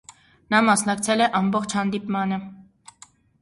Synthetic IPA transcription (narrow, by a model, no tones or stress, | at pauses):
nɑmɑsnɑkt͡sʰɛlɛʔɑmbɔχt͡ʃʰhɑnd̪ipmɑnə